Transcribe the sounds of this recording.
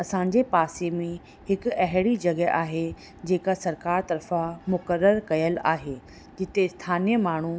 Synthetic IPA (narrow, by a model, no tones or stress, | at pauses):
ɐsãːɲd͡ʑepaːsemẽ | hɪkɐɦɪɽid͡ʑɐɡəʔaːɦe | d͡ʑeːkasɐɾkaːɾt̪ɐɾfãmʊkəɾːəɾkɐjəla̰ːɦeː | d͡ʑɪt̪est̪ʰaːnijəmaːɳ̤u